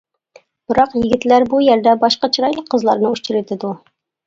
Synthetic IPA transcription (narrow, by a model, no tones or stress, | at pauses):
b̥ɨɾɑqjɪɡʲɪt̪læɾbujɛɾd̪ɛbɑʃqɑt͡ʃʰiɾɑjlˠəqʰːəzlˠɑ̰ɾnɨut͡ʃiɾɪt̪ʰɪd̪u